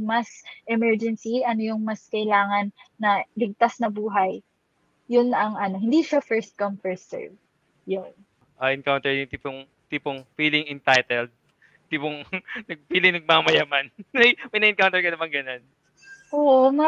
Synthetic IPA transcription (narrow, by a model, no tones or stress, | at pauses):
mɐsʔɛmɛɹd͡ʒɛnsiʔɐnojʊŋmɐskɐjlaːŋɐnːɐlɪɡ̚t̪asnɐbuːɦɐj | jʊnʔɐŋɐno̞ɦɪ̃nd̪iʃafɛɹst̪̚kɐmfɛɹsɛ̰ɹ | jʊn | ʔɐʔɪnkawnt̪ɛɹjʊŋt̪iːpoŋ | t̪iːpoŋfiːlɪŋɪnt̪ajt̪ɛld̪̚ | t̪iːpoŋnɐɡ̚piːlɪŋnɐɡ̚maamɐjaːmanːɐjmɐjnɐʔɪnkawnt̪ɛɹkɐnɐmaŋɡɐnon | ʔoːʔomɐ